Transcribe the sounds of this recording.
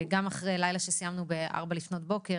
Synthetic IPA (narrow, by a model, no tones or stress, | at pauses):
ɡamaχʁejlajlaʃesijamnubeʔa̰ʁbalifno̞t̚bo̞ke